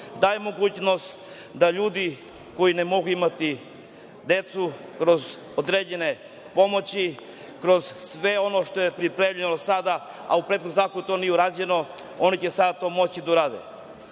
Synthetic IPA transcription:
d̪aːjemo̞ɡuːt͡ɕno̞st̪ | d̪aʎuːd̪i | ko̞inemo̞ɡuimat̪i | d̪e̞t̪sukɾo̞z | od̪ɾeːd͡ʑene | po̞mo̞t͡ɕi | kɾo̞zsʋe̞o̞no̞ʃt̪o̞jepɾipɾemʎenosad̪a | a̰upɾet̪xod̪zaːkout̪o̞nijeuɾaːd͡ʑe̞no̞ | o̞nit͡ɕesad̪at̪o̞ːmo̞t͡ɕid̪auɾaːd̪ḛ

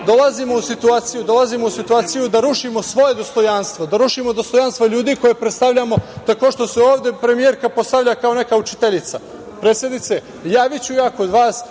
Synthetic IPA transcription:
d̪o̞lazimo̞usit̪uaːt̪sijud̪o̞lazimo̞usit̪uaːt̪sijud̪aɾuʃimo̞sʋo̞je̞d̪o̞st̪o̞janst̪ʋo̞d̪aɾuʃimo̞d̪o̞st̪o̞janst̪ʋoʎuːd̪iko̞jepɾet̪st̪aʋʎamo̞t̪ako̞ʂt̪o̞seoːʋd̪e̞pɾe̞mijeɾkapo̞st̪aʋʎakao̞ne̞kaut͡ʃi̥t̪eʎit̪sa | pɾese̞d̪nit̪se | jaːʋit͡ɕujaːko̞d̪ʋaːs

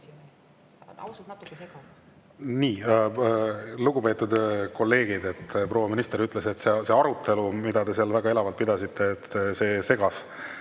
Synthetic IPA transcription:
t̪ː | niː | luɡ̥upe̞ːt̪ːˑud̪̥ko̞lːe̞ːɡ̥id̪e̞t̪ːpro̞ːwːɑminist̪eɾyt̪ːˑle̞se̞t̪ːsese̞ɑɾut̪ːˑe̞lumid̪̥ɑd̪e̞seɑlvæɡ̥ɑe̞lɑvɑlt̪̚pid̪ɑsit̪ʰːˑe̞ːt̪ːse̞ːse̞ɡ̥ɑs

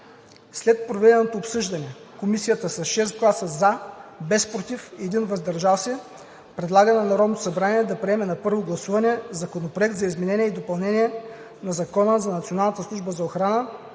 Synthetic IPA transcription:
slɛt̪̚pɾovɛd̪ɛnot̪oːpsɤʒd̪ɐnɛ | komisijət̪əsɐsʃɛs̬ɡlˠasəzabɛspɾot̪ifɛd̪invɐzd̪ɐɾʒalˠsɛ | pɾɛd̪lˠaɡənɛnɐɾɔd̪nt̪osɐbɾaniɛd̪ɐpɾiɛmɛnɐpɤɾvoɡlˠɐsuvɐnɛzɐkonopɾoɛk̚t̪zɐizmɛnɛniɛid̪opɐlˠnɛniɛ | nɐzɐkɔnəzɐnɐt̪sionalˠnət̪əslˠuʒbəzɐoxɾanə

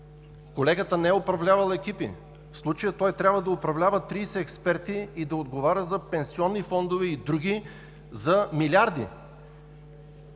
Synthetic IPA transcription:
kolɛɡət̪ənɛɛʊpɾɐvlʲavɐlˠɛkipḭ | fslˠut͡ʃəjət̪ɔjt̪ɾʲabvəd̪ɐopɾɐvlʲavət̪ɾisɛɛkspɛɾt̪iːd̪ɐod̪ɡovaɾʲəzɐpɛnsiɔnːifɔnd̪ovɛid̪ɾuɡi | zɐmilʲiaɾd̪ḭ

